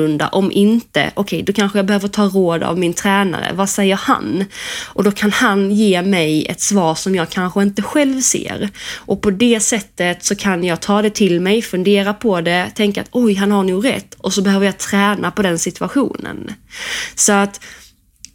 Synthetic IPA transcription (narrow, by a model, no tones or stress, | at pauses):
ɵnd̪a̰ʔɔmʔɪnt̪ə̰ʔɔkʰɛjd̪ɔkʰanɧəjɑːbɛhøːvəʈʰɑːɾoːd̪a̰vmɪnt̪ʰɾɛːna̰ɾə̰vasɛjːəɾha̰nʔɔd̪ɔkʰanhanjeːmɛjɛ̰t̪svɑːʂɔmjɑːɡ̚kʰanɧəɪnt̪əɧɛlvsḛːɾʔɔpʰɔd̪ɛsɛt̪ːət̪sɔkʰanjɑːɡ̚t̪ʰɑːd̪ɛt̪ʰɪlmɛjfɵnd̪eːɾapʰɔd̪ɛt̪ʰɛŋka̰t̪ɔjɦanhaɳuːɡɾɛ̰t̪ːɔsɔbɛhøːvəɾjɑːt̪ʰɾɛːnapɔd̪ɛnsɪt̪ɵaɧṵːnə̰n | sɔat̪